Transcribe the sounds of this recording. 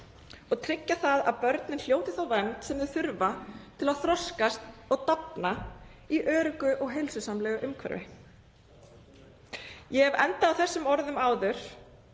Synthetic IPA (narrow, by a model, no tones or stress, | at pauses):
ɔɣt̪ʰɾɪcːaθaðaðpœɾt̪nɪnl̥joːwt̪ɪθawvɛnt̪sɛmðʏɾ̥θʏɾvat̪ʰɪlaðθɾɔskast̪ɔɣt̪apnaiʔœːɾʏkʏʔɔɣɦejlsʏsamlɛːɣʏʔʏmkʰvɛ̰ɾvɪ̰ | jɛɛvɛnt̪aːwθɛsːʏmɔɾðʏmaːwðʏɾ̥